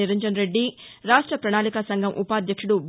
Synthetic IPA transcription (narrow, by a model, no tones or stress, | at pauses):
iɾɐɲd͡ʒɐnɾeɖːiɾaːʂʈɾɐpɾɐɳaːlikɐsɐŋɡʱɐmʔṵpaːd̪ʱjɐkʂuɽub